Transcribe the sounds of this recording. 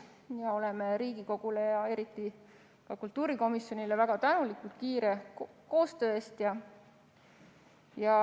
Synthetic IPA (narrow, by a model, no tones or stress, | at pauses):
jɑo̞leme̞ɾiːɡ̥iko̞ɡ̥ule̞jɑe̞ɾit̪ˑːi | kɑkult̪ːuːɾiko̞misjo̞nile̞væɡ̥ɑt̪ænulikˑult̪̚kiːɾe̞ko̞ːst̪ø̞ːest̪jɑ | jɑ